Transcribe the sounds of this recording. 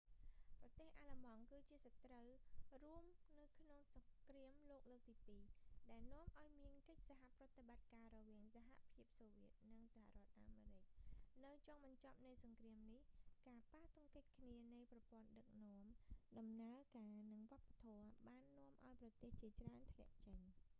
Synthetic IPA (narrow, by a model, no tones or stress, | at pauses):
prɑt̪eːhʔaːlamɑŋkɨːt͡ɕiəsat̪rəwruəmnɨwkʰnoŋsɑŋkriəmloːk̚loːk̚t̪iːpiːɗaɛlnŏəmʔaɔjmiənkəc̚saɦaʔprɔ̆ət̪eɓat̪̚kaːrɔʋiəŋsaɦa̰pʰiəp̚soːʋiət̪̚nɨŋsaha̰ʔrɔ̆ət̪̚ʔaːmeːɾɨc̚nɨwt͡ɕɔɑːŋɓɑɲt͡ɕɑp̚nɨjsɑŋkriəmnihkaːpaːt̪ʊŋkəc̚kʰniənɨjprɑpŏənɗək̚nɔ̆əmɗɑmnaəkaːnɨŋʋŏəpːḁt̪ʰɔəɓaːnːɔ̆əmʔa̰ɔjprɑt̪eːht͡ɕiət͡ɕraənt̪ʰlɛ̆əʔt͡ɕəɲ